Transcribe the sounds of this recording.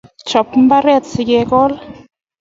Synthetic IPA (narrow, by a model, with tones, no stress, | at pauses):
t͡ʃɔ˨pm̩˦ba˦ɾɛ˦˨tsi˨kɛ˧kɔ˦l